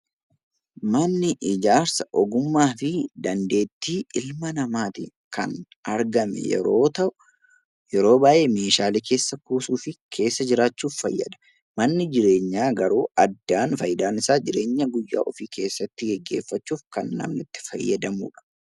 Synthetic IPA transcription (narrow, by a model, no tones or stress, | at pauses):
mɐnːɪʔɪd͡ʒaːɾsɐʔɔɡʊmːaːfɪd̪ɐnd̪e̞ːt̪ːiːʔɪlmɐnɐmaːt̪ɪ̰ | kʰɐ̰n | ɐɾɡɐmɛ̰jɛ̰ɾoːt̪ɐʔʊ | jɛɾo̞ːbaːʔe̞ːme̞ːʃaːlɛke̞ːsːɐkuːsuːfɪkʰe̞ːsːɐd͡ʒɪɾaːt͡ʃːuːfːɐjːɐ̰d̪ɐ̥ | mɐnːɪd͡ʒɪɾe̞ːɲːaːɡɐɾuːɐd̪ːaːnfɐjɪd̪aːnɪsaːd͡ʒɪɾe̞ːɲːɐɡʊjːa̰ːʔɔfiːkʰe̞ːsːɐt̪ːɪɡɛɡːe̞̰ːfːɐt͡ʃːuːfkɐnːɐ̰mnɪt̪ːɪ̥fɐ̰jːɐ̰d̪ɐmṵːᶑɐ̥